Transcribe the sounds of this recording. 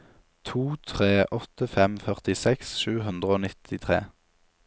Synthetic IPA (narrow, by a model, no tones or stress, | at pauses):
t̪ʰuːt̪ʰʁeːʔɔt̪əfɛmfœʁt̪ɪsɛksʃʉːɦʉnd̪ʁəoːnɪt̪ʰɪt̪ʰʁḛː